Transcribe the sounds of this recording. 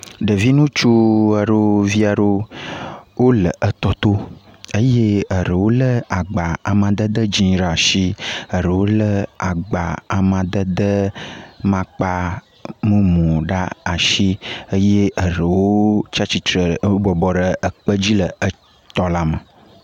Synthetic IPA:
ɖə˨vi˦nũ˦t͡ʃu˦ə˨ɖo˦vi˦a˨ɖo˦ | wo˦lə˨ʔə˦t̪ɔ˦t̪o˦ə˦je˦ə˨ɾə˨wo˦lə˦a˨ɡ͡ba˨a˨mã˨d̪ə˦d̪ə˦d͡ʑĩ˦ɾa˨ʃi˦ə˨ɾə˨wo˦lə˦a˨ɡ͡ba̰˨a˨mã˨d̪ə˦d̪ə˦mã˦k͡pa˦ | mə˦mɔ̃˨ɖa˦a˨ʃi˦ə˦je˦ʔə˨ɾə˨wo˦t͡ʃa˦t͡ɕi˨t̪ɾə˨˦bɔ˨bɔ˨ɖə˨ə˨k͡pə˦d͡ʑi˦lə˨ə˦ | t̪ɔ˨la˦mə˨

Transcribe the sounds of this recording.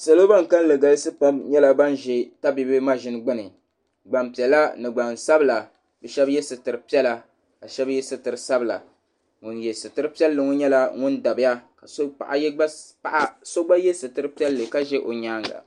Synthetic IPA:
sa˨lo˦ba˦ŋ̩˨ka˦n˦lɨ˨ɡa˨lɨ˦sɨ˦pa˦mɲɛ˦la˦ba˦nʒɛ˨ta˦bi˦bɨ˦ma˦ʒɪ˨˦n˦ɡ͡bʊ˦nɨ˨ | ɡ͡ba˨mpi˨ɛ˨la˦nɨ˨ɡ͡ba˨nsa˦bɨ˨la˨ | bɛ˨ʃɛ˦bjɛ˦sɨ˨tɨ˨ɾɨ˨pi˦ɛ˦la˨ | ka˨ʃɛ˦bjɛ˦sɨ˦tɨ˨ɾɨ˨sa˦bɨ˨la̰˨ | ŋʊ˨njɛ˨sɨ˨tɨ˦ɾɨ˦pi˦ɛ˦lːɨ˨ŋɔ˦ɲɛ˦la˦ŋʊ˦nda˨bɪ˦a˦ka˨so˦pa̰˨ʔa̰˨jɛ˦ɡ͡ba˦pa˦˨ʔa˦so˦ɡ͡ba˦jɛ˦sɨ˨tɨ˨ɾɨ˦pi˦ɛ˦lːɨ˨ka˦ʒɛ˦ʔo˨ɲaː˦ŋɡa̰˨

